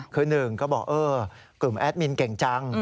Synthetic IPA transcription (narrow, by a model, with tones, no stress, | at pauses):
kʰɤː˧nɯː˨˩ŋkɔː˥˩bɔ̰ː˨˩k̚ʔɤː˧ | klu˨˩mʔɛ˦˥t̪̚mi˧nkɛ˨˩˦ŋt͡ɕa˧ŋ